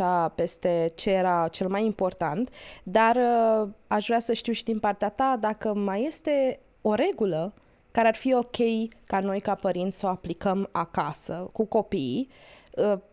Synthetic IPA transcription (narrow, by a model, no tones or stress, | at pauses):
ape̞st̪e̞t͡ʃe̞jeɾat͡ʃe̞lmajimpo̞rt̪ant̪d̪arəaʃvɾeasəʃt̪iwʃid̪inpart̪eat̪ad̪akəmaje̞st̪e̞ | o̞ɾe̞ɡulə | kaɾearfio̞kʲe̞jkano̞jkapəɾint̪sʲsəoaplikəmakasəkuko̞pijə